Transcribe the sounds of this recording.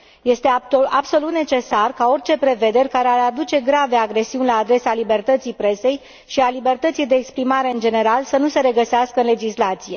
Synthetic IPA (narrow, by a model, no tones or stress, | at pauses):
je̞st̪e̞abso̞lut̪ne̞t͡ʃe̞sarkao̞rʲt͡ʃe̞pɾe̞ve̞d̪e̞rʲkaɾeaɾad̪ut͡ʃe̞ɡɾave̞aɡɾe̞siunʲlaːd̪ɾe̞salibe̞rt̪ət̪sijpɾe̞se̞j | ʃialibe̞rt̪ət̪sijd̪e̞ːkspɾimaɾe̞ɨnd͡ʒe̞ne̞ɾalsənuse̞ɾe̞ɡəseaskəɨnle̞d͡ʒislat̪sije̞